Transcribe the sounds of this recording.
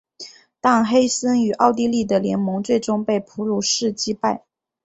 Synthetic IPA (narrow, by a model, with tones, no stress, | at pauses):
t̪ɑ˥˩ŋxe˥ɪsə˥ny˨˩ʔɑ˥˧ʊt̪̬i˥˧li˥˩d̪ə˩ljɛ˧˥nmɤ˧˥ŋt͡swe˥˩ɪʈ͡ʂʊ˥ŋpe˥˩ɪpʰu˧˥lu˥˩ʂɻ̩˥˩t͡ɕi˥pa˥˩ɪ